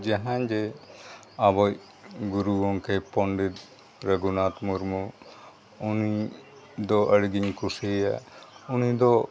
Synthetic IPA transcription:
d͡ʒaɦand͡ʒɛ | abɔj | ɡuɾuɔŋkɛpɔɳɖit̪ | ɾəɡunat̪muɾmu | uni | d̪ɔʔəɽɡiɲkusea̰unid̪ɔ

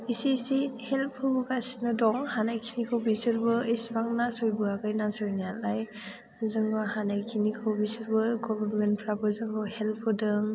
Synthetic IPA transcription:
isisihelpʰɯbɯɡasi̥nɯdɔŋhanajkʰinikʰawbisɯɾbɯisbaŋnasɔjbɯaɡajnasɔjnajalaj | azɯŋbɯhanajkʰinikʰɯwbisɯɾbɯɡɔbaɾmenpʰɾabɯzɯŋɡɯwhelpʰɯdɯŋ

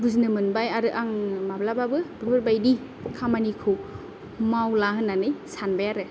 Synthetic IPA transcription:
buznɯmɯnbajaɾɯʔaŋmablababɯbɯbɯɾbajdi | kʰamanikʰɯw | mawlaɦɯnːanɯjsanbajaɾɯ

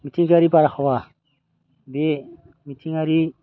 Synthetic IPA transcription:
mitʰiŋɡaɾipaɾaxowa | be | mitʰiŋaɾi

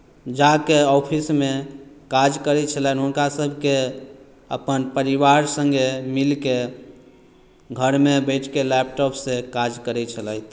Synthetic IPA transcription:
d͡ʒakeɔpʰisme | kad͡ʒkəɾɛt͡ʃʰəlɛjnɦunkasəbʱke | ə̰pənpəɾiʋaɾsə̃ŋɡemilke | ɡʱəɾmebəɪʈʰkelɛp̚ʈɔpʰsekad͡ʒkəɾɛt͡ʃʰəlɛjt̪ʰ

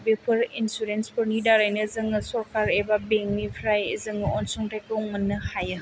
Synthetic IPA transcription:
bepʰɯɾinsuɾenspʰɯɾnidaɾajnɯzɯŋɯsɔɾkaɾebabeŋmipʰɾajzɯŋɯɔnsɔŋtajkɯɔŋmɐnːɯhajɯ

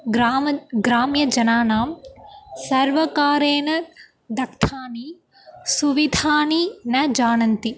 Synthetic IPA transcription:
ɡɾaːmɡɾaːmjɐd͡ʒɐnaːnaːmsɐɾʋɐkaːɾeːnɐ | d̪ɐkt̪ʰaːni | suʋid̪ʱaːninɐd͡ʒaːnɐnt̪i

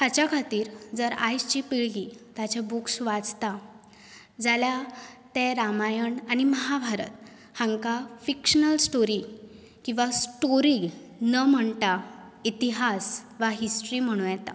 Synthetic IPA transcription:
hat͡ɕjakʰat̪iːɾd͡zəɾajst͡ɕiːpiɭɡit̪jat͡ɕebuksʋad͡zt̪a | d͡zaljat̪eɾamajəɳañiməɦabʱaɾə̰t̪̚ | hãŋkafikɕənəlsʈoɾi | kĩw̃ʋasʈoɾinəm̤əɳt̪a | it̪iɦasʋaɦisʈɾiːm̤əɽ̃ũːjɛt̪a̰

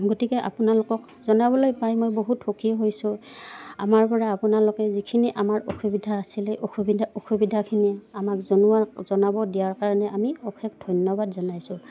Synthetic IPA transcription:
ɡotikɛʔa̰pʊnalʊkɔk | zɔnabɔlojpajmojboɦuthokʰiɦojsʊa̰maɹpɔɹaːpʊnalʊkɛzikʰiniʔamaɹoxubidʱaːsilɛʔoxubioxubidʱakʰiniamakzonuaɹzɔnabɔdijaɹkaɹɔnɛʔamiɔxʰɛkʰdʱɔjnjɔbadzɔnajsʊ̃

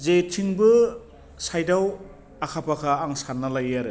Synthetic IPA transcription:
zetʰiŋbɯ | sajdaw | akʰapʰakʰaːŋsanːalajaɾɯ

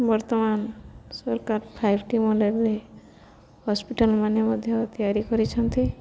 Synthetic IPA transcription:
bɔɾt̪ɔmansɔɾkaɾpʰajbʱʈimoɖeɾle | hɔspiʈəlmanɔmɔd̪ʱjɔt̪ijaɾikɔɾit͡ʃʰɔnt̪i

